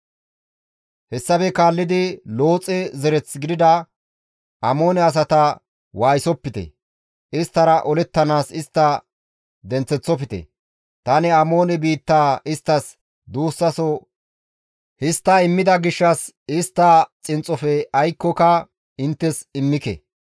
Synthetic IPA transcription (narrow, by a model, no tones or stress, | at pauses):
hɛsːɐfɛkaːlːɪd̪ɪlo̞ːt͡sʼɛzɛɾɛt͡sɡɪd̪ɪd̪ɐ | ʔɐmo̞ːnɛɐs̬ɐt̪ɐ | waːjsɔpːɪt̪ɛ̰ | ɪst̪ːɐɾɐʔɔlɛt̪ːɐnaːsɪst̪ːɐ | d̪ɛnt͡sːɛt͡sːɔpɪt̪ɛ̰ | t̪ɐnɛɐmo̞ːnɛbiːt̪ːaːɪst̪ːɐs | d̪uːsːɐsɔ | hɪst̪ːɐɪmːɪd̪ɐɡɪʃːɐs | ɪst̪ːɐt͡sʼɪnt͡sʼːɔfɛɐjkːɔkɐ | ɪnt̪ːɛsɪmːɪkɛ̰